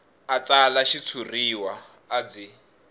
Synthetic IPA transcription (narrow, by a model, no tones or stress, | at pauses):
at͡sʼalaʃit͡sʰuriwaː | d͡zi